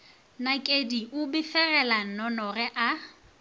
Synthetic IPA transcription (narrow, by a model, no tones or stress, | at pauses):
nakʼediʔʊbɪfɛrɛlan̩nɔnɔrɛʔa